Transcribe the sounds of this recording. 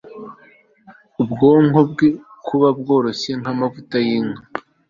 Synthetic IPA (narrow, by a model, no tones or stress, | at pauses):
ubɡoŋob̚ɡekʰuβab̚ɡo̞ːɾo̞seŋhamavutajiŋo